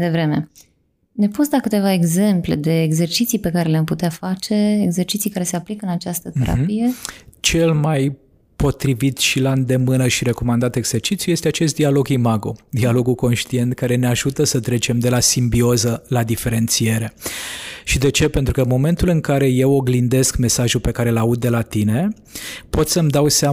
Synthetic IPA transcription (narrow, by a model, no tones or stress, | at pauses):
jd̪evɾe̞me̞̰ | ne̞pusd̪akɨt̪e̞vae̞ɡze̞mple̞̰d̪e̞ːɡze̞rt͡ʃit̪sijpe̞kaɾe̞leamput̪eat̪fat͡ʃe̞eɡze̞rt͡ʃit̪sijkaɾe̞se̞aplikəɨnat͡ʃast̪ət̪e̞̰ɾa̰pije̞t͡ʃe̞lmaj | po̞t̪ɾivit̪ʃiland̪e̞mɨnəʃiɾe̞ko̞mand̪at̪e̞ɡz̥e̞rt͡ʃit̪sjuje̞st̪eat͡ʃe̞s̬t̪d̪ialo̞ɡimaɡod̪ialo̞ɡuko̞nʃt̪ie̞nt̪kaɾe̞neaʒut̪əsət̪ɾe̞t͡ʃe̞md̪e̞lasimbio̞zəlad̪ife̞ɾe̞nt̪sije̞ɾe̞ | ʃid̪e̞t͡ʃe̞pe̞nt̪ɾukəmo̞me̞nt̪ulɨŋkaɾe̞je̞woɡlind̪e̞skme̞saʒupe̞kaɾe̞laud̪̚ːe̞lat̪ine̞ | po̞t̪səmd̪awsea